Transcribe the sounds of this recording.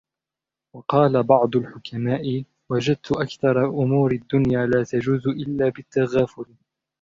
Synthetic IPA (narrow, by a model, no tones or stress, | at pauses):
wɑqɑːlabɑʕd̪ˤʊlħʊkamaːʔɪ | wad͡ʒad̪̚t̪ʊʔakθɑɾˤɑʔʊmuːɾɪd̪ːʊnjaːlaːt̪ad͡ʒuːzʔɪlːaːbɪt̪ːaɣaːfʊɾ